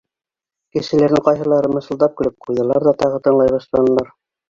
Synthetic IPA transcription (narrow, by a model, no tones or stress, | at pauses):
kɘ̆ʃɘ̆læɾnɘŋqɑjɦɤ̆lˠɑɾɤmɤ̆sɤ̆lˠd̪ɑp̚kɘ̆lɘp̚qʰujðɤ̆lˠɑɾðɑt̪ɑʁɤt̪ɤ̆ɴlˠɑjβɑʃlˠɑnɤ̆lˠɑɾ